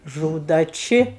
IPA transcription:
ˈʒuːdɐ ˈt͡ʃʲɪ

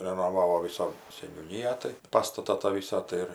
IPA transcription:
rʲɛnoːˈʋɑːʋoː ˈʋʲɪsɐ sʲɛnʲuːˈnʲiːjæː tɐɪ ˈpɑːstɐtɐ tɑː ˈʋʲiːsɑː tɐɪ ˈɪr

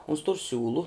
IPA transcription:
ʊns tʊr ˈsʲuːlˠʊ

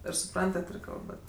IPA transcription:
ɪr sʊˈprɐntɐt ɪr ˈkɐlˠbɐt

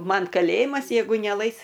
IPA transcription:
ˈmɐn kɐˈlʲeːjɪmɐs jɛɪˈɡʊ nʲɛˈlˠɐɪs

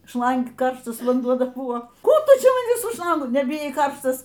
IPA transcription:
ˈʃlˠɐŋk ˈkɐrʃtɐs ʋɐnˈduɔ ˈdɐr ˈbuɔ ˈkuː ˈtʊ ˈt͡ʃʲɛ ˈmɐn ˈʋʲɪs sʊ ˈʃlˠɐŋɡʊ nʲɛbʲɪˈjɛɪ ˈkɐrʃtɐs

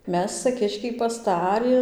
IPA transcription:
ˈmʲɛs t͡sɐ ˈkʲɪʃʲkʲɛɪ pɐsˈtɑːrʲɪ

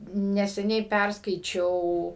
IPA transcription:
nʲɛsʲɛˈnʲɛɪ ˈpʲærskɐɪt͡ʃʲɛʊ

